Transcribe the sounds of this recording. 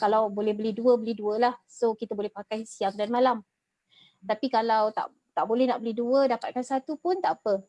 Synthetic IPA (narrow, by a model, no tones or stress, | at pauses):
kalawbolɛhbəliduəbəliduəlahsokit̪abolɛhpakajsiaŋdanmalam | t̪apikalawt̪a̰ʔ | t̪aʔbolɛhna̰ʔbəliduədapat̪̚kansat̪upʊnt̪aʔapə